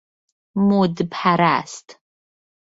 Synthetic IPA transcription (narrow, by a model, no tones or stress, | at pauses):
mudɨpħaɾa̰ːstʰʼ